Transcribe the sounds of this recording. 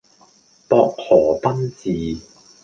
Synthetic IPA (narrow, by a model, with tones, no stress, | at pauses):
p̪ɔː˧k̚hɔː˨˩p̪ɐ˥nt͡siː˨˧